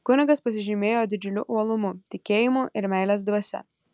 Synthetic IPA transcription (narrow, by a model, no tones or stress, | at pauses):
kʊnʲɪɡɐspɐsʲɪʒʲɪmʲeːjoːd̪ʲɪd͡ʒʲʊlʲʊʔuɔlˠʊmʊt̪ʲɪkʲeːjɪmuʔɪɾmʲæˑɪlʲeːsd̪uɔsʲɛ̰